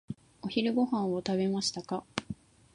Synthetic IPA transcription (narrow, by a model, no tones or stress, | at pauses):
o̞çiɾɯ̟ɡo̞hãɰ̃βot̪aβe̞maɕi̥t̪aka